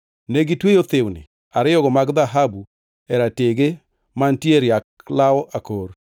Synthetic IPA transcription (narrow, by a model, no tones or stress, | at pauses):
neɡitwejot̪ewnḭ | aɾɪɔɡɔmaɡðaɦabu | ɛɾateɡe | mantieɾɪaklawɔʔakoɾ